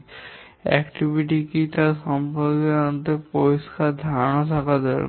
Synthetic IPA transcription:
ɛ̰kʈibʱiʈ̬ikit̪aɾʃɔmpod̪eant̪epoiskʰad̪ʱañot̪ʰakad̪ɔɾ̰

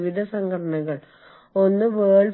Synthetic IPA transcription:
ʋid̪ʱɐsɐŋɡʰʱɐʈɐɳɐɣɐɭ | o̞nːɨʋeːɭ

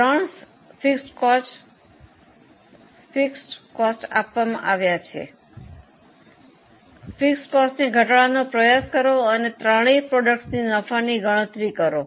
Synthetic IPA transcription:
ɾaɳs | fiksʈkɔs | fiksʈkɔsʈa̰pʋamã̰ʔaʋjat͡ʃʰḛ | fiksʈkɔsʈniɡʱəʈɭanopɾəjaskəɾoənet̪ɾaɭ̃ipɾɔɖək̚ʈsninəfaniɡəɭ̃ə̃t̪ɾikəɾo

